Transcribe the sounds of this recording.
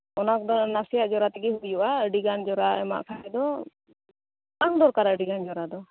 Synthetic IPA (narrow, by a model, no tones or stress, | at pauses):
ɔnak̚d̪ɔɾnasijaʔd͡ʒɔɾat̪ɛɡɛɦubijuʔaɖiɡand͡ʒɔɾaɛma̰ʔkʰaɛd̪ɔ | t̪aŋd̪ɔɾkaɾaɖiɡand͡ʒɔɾad̪ɔ